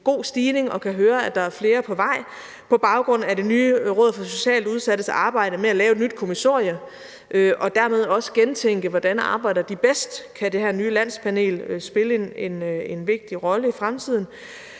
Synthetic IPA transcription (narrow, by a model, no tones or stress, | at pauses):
ɡ̥o̝̰ːsd̥iːne̝ŋɒ̽kʰæɦøːɐæd̥ɑ̈æɐfle̝ːɐpʰɒ̽ʋɑ̈ɪ̰ | pʰɒ̽b̥ɑ̈ʊɡ̥ʁɔ̽n̰æd̥e̝nyːʁɔ̽ð̰ˠfɒ̽so̝ɕɛ̰ːluð̞ˠsæd̥əsɑ̈ːb̥ɑ̈ɪ̰ɾ̥əmeælɛːʊed̥nyd̥̚kʰomiso̰ɐjɐ | ʔøʔɒ̽d̥æɐmeð̞ˠɒ̽sə̥ɡ̥ent͡sʰeŋ̰ɡ̥əʋɒd̥ænɑ̈ːb̥ɑ̈ɪ̰d̥ɐd̥ib̥esd̥kʰæd̥e̝hæɐ̰nyːlæn̰spʰæne̝̰ːløsb̥e̝ləene̝ne̝nʋe̝ɡ̥̚d̥iʁɒ̽ləifʁamt͡sʰið̞̰ˠn̩